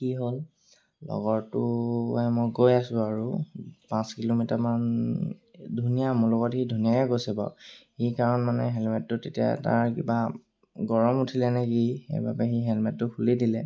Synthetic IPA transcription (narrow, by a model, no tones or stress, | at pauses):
kiɦol | lɔ̰ɡɔɹtʊɛmojɡojasʊ̃aɹupãskilomitaman | dʱunijamʊlɔɡɔtxidʱunijajɛkojsɛba̰xikaɹɔnmanɛɦɛlmɛtːʊtetija̰ta̰ɹkiba | ɡɔɹɔmutʰilɛnɛkixḛjba̰pɛxiɦɛlmɛtːʊkʰulidilɛ